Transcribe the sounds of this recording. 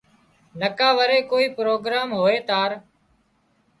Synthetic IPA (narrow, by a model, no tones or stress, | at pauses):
nəkaːʋəɾeːkoːiːpɾoːɡɾaːmɦoːeːt̪aːɾ